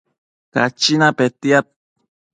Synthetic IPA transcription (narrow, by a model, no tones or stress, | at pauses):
ka̰t͡ʃinapet̪iat̪̚